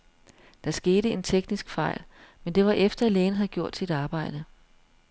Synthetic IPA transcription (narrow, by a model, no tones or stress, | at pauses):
d̥ɑ̈sɡ̥e̝ːɾəe̝nt͡sʰeɡ̥nisɡ̥fɑ̈ɪ̰lmend̥e̝ʋɑ̈ʔefd̥ɐæleːnəɦæɡ̥jo̝ɐ̰d̥sid̥ɑ̈ːb̥ɑ̈ɪ̰d̥ə